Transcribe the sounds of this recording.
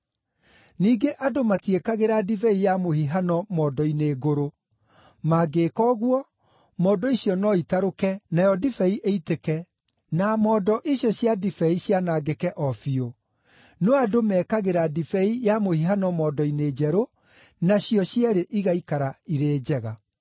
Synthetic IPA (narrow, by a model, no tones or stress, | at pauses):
niːɡeʔadomatiekaɣeɾadifɛijamohiɦanɔmɔːdɔineːɣoɾo | maɡeːkɔɣwɔ | mɔːdɔiɕjɔnɔitaɾokɛnajɔdifɛiʔeitekɛ | namɔːdɔʔiɕjɔɕjadifɛiɕjanaːɡekɛʔɔfio | nɔadomɛːkaɣeɾadifɛijamohiɦanɔmɔːdɔined͡ʑɛɾo | naɕjɔɕjaɾeʔiɣaikaɾaiɾeːd͡ʑɛɣa